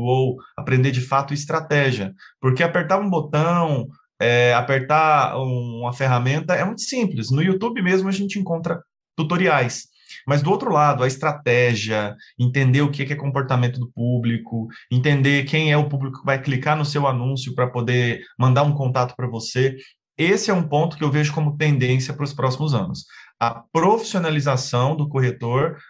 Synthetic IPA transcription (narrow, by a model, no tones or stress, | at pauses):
owapɾẽnd̪ed͡ʒɪfat̪ʊɪst̪ɾat̪ɛʒiɐpoɾkeapeɾt̪aɾũbot̪ɐ̃w̃ | ɛapeɾt̪aũũmɐfeɦamẽnt̪ɐɛmũj̃t̪ʊ̥sĩplɪsnʊiut̪ubɪmezmʊaʒẽnt͡ʃɪẽŋkõnt̪ɾɐ | t̪ut̪oɾiajs | mɐzd̪ʊowt̪ɾʊlad̪ʊɐɪst̪ɾat̪ɛʒiɐẽnt̪ẽnd̪eɾʊkɛkɪɛkõpoɾt̪amẽnt̪ʊd̪ʊpublikʊẽnt̪ẽnd̪ekẽj̃ɛʊpublikʊ̥ɪvajklikaɾnʊsewanũsjʊpɾɐpod̪emɐ̃nd̪aɾũkõnt̪at̪ʊ̥pɾɐvose | esɪɛũpõnt̪ʊ̥kɪewveʒʊkõmʊt̪ẽnd̪ẽsiɐpɾʊspɾɔsimʊzɐ̰̃nʊsɐpɾofi̥sionalizasɐ̃w̃d̪ʊkoɦet̪oɾ